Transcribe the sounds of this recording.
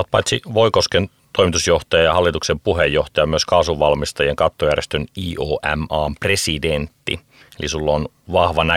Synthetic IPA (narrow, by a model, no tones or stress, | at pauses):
ot̪̚pɑ̰jt̪siʋoikosken | t̪oimit̪usjoht̪ɑjɑjɑhɑlːit̪uksempuhejːoht̪ɑjɑmyøskɑːsuʋʋɑlmist̪ɑjeŋkɑt̪ːojærjest̪øniːʔoːʔæ̰mɑːmpresident̪ːḭ | elisulːon | ʋɑhʋɑnæ